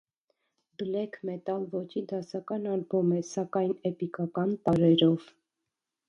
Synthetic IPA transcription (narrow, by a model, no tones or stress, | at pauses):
bəlɛkʰmɛt̪ɑlvɔt͡ʃʰid̪ɑsɑkɑnɑɾbumɛsɑkɑjnɛpikɑkɑnt̪ɑɾɛɾɔv